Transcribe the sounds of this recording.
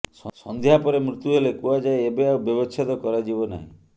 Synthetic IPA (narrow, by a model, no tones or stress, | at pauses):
ssɔnd̪jɦapɔɾemɾut̪uɦelekuad͡ʒaeebeawbjɔbɔt͡ʃʰɔt̪ɔkɔɾad͡ʒibɔna̰ɦḭ̃